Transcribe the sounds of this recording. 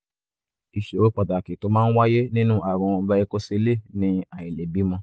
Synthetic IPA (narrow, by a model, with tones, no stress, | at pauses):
i˨ʃe˨o˦k͡pɔ˨da˨ki˨to˨˦mãː˦n̩˦wa˦je˦nĩ˦nũ˦ʔa˨ɾɔ̃˧˦ba˧i˧ko˦se˧˦le˦˨nĩ˧a˨ĩ˨le˨bi˨˦mɔ̃˧